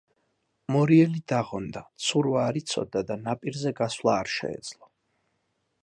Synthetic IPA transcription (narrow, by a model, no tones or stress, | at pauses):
mɔɾiɛlid̪aʁɔnd̪at̪sʰuɾvaːɾit̪sʰɔ̰d̪ad̪anapʼiɾzɛɡaswlˠaːɾʃɛ̰ɛ̰d̪z̥lˠɔ